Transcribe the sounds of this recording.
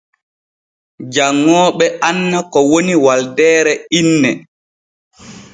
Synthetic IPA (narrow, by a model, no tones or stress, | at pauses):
d͡ʒaŋːɔːɓɛʔanːakɔwoniwaldɛːɾɛinːɛ